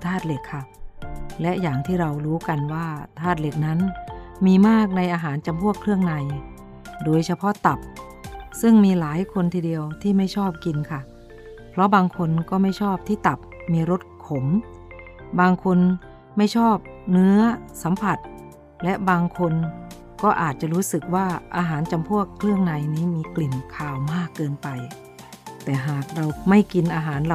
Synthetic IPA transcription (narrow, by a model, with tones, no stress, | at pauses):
t̪ʰaː˥˩t̪̚le˨˩kʰːa˧˥˩ | lɛ˦˥ʔjaː˨˩ŋt̪ʰiː˥˩ɾa˧wɾuː˦˥ka˧nwaː˥˩t̪ʰaː˥˩t̪̚le˨˩k̚na˦˥nmiː˧maː˥˩k̚na˧jʔaː˧ɦaː˩˦nt͡ɕa˧mpʰu˥˩əkʰɾɯ˥˩əŋna˧j | doː˧jsʰa˧pʰɔ˦˥t̪a˨˩p̚ | sɯ˥˩ŋmiː˧laː˩˦jkʰo˧nt̪ʰiː˧di˧əwt̪ʰiː˥˩ma˥˩jt͡ɕʰɔː˥˩p̚ki˧nkʰa˥˩ | pʰlɔ˦˥baː˧ŋkʰo˧nkɔː˥˩ma˥˩jt͡ɕʰɔː˥˩p̚t̪ʰiː˥˩t̪a˨˩p̚miː˧ɾo˦˥t̪̚kʰo˩˦m | baː˧ŋkʰo˧n | ma˥˩jt͡ɕʰɔː˥˩p̚nɯ˦˥ɐsa˨˦mpʰa˨˩t̪̚ | lɛ˦˥ʔbaː˧ŋkʰo˧n | kɔː˥˩ʔaː˨˩t̪̚t͡ɕa˨˩ɾuː˦˥sɯ˨˩k̚waː˥˩ʔaː˧ɦaː˩˦nt͡ɕa˧mpʰu˥˩əkʰlɯ˥˩əŋna˧jniː˦˥miː˧kli˨˩nkʰaː˨˩wmaː˥˩kːɤː˧npa˧j | t̪ɛː˨˩ɦaː˨˩k̚ɾa˧wma˥˩jki˧nʔaː˧ɦaː˩˦n˧